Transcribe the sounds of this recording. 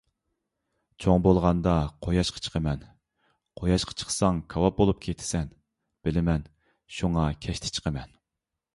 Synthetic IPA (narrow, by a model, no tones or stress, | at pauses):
t͡ʃʰoŋbolˠʁɑnd̪ɑqʰojɑʃqʰɑ̥t͡ʃʰə̥qʰəmɛn | qʰojɑʃqʰɑ̥t͡ʃʰə̥χsɑŋkʰɑwɑp̚bolˠup̚kʲʰet̪ʰɪ̥sɛn | b̥ɪlɪmɛn | ʃuŋɑkʲʰɛʃt̪ʰɪ̥t͡ʃʰə̥qʰəmɛn